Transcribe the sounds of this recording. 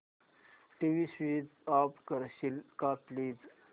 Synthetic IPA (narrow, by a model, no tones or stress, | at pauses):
ʈiʋisʋid̪apkəɾɕilkaplid͡z